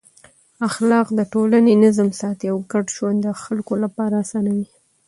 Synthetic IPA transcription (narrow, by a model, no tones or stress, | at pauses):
axlɑqd̪əʈolanenɪzmsɑt̪iawɡaɖʃwand̪əxalkolapɑɾasɑnawi